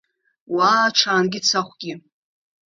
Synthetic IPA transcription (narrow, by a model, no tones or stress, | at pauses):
waːʈ͡ʂʰaːnɡʲɪt͡sʰaχʷɡʲɪ